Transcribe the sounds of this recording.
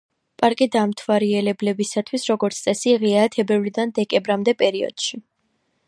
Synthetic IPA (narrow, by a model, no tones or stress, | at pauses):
pʼaɾkʼid̪amt̪ʰwaɾiɛlɛblɛbisat̪ʰwisɾɔɡɔɾt̪sʰtsʼɛsiʁiat̪ʰɛbɛvlid̪and̪ɛkʼɛmbɾamd̪ɛpʼɛɾiɔ̰d̪̥ʃi